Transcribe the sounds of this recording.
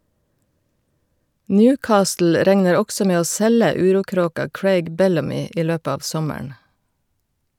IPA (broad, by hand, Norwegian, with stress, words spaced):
ˈnjʉːˌkɑːstl̩ ˈɾɛŋnəɾ ˈɔɡsɔ ˈmeː ˈoː ˈsɛlə ˈʉːˌɾuːˌkɾoːkɑ ˈkɹeɪɡ ˈbɛlɑmɪ ˈiː ˈløːp ˈɑːʋ ˈsɔməɳ